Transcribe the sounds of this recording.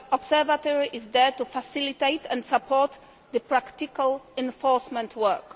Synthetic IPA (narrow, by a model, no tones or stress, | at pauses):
ɔbsɛvat̪ɔɹiʔɪzd̪ɛtufasɪlit̪eɪt̪ɛ̃ndsapʰɔt̪ | d̪əpɹakt̪ikalɛ̃nfɔɹsmɛ̃ntʰwɛ˞k